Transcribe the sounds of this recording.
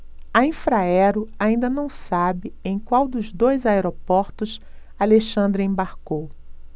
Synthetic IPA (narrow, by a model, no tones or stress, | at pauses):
ɐĩfɾaɛɾʊaĩnd̪ɐnɐ̃w̃sabɪẽj̃kwawd̪ʊzd̪ojzaeɾopɔɾt̪ʊs | aleʃɐ̃nd̪ɾɪẽbaɾkow